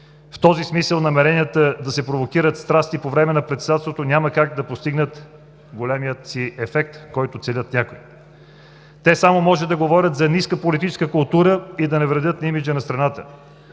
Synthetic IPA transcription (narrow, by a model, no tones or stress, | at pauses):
ft̪ɔzismisəlˠnɐmɛɾɛnʲiət̪əd̪ɐsɛpɾovok̟iɾət̪st̪ɾast̪ipovɾɛmɛnɐpɾɛt̪sɛd̪at̪st̪vot̪onʲaməkak̚d̪ɐpost̪iɡnət̪ | ɡolʲɛmijət̪siɛfɛk̚t̪kɔjt̪ʊt̪sɛlʲət̪nʲakoj | t̪ɛsamomɔʒɛd̪ɐɡovɔɾʲət̪zɐniskəpolit̪it͡ʃɛskəkʊlˠt̪uɾəid̪ɐnɛvɾɛd̪ɤt̪nimid͡ʒənɐst̪ɾɐnat̪ə